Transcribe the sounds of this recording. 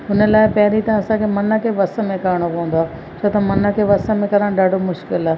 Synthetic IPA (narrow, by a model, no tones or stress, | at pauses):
ʊnə̆laːɪpɐɦɪɾit̪ɐ̃ɐsãkʰemɐnə̆kʰeʋɐsə̆mẽkɐɾɪɽ̃opɐ̃ə̃nd̪waː | t͡ɕʰoːt̪ɐmɐnə̆kʰeʋɐsə̆mẽkɐɾə̃ɗaːɖʱomʊʃkɪlaː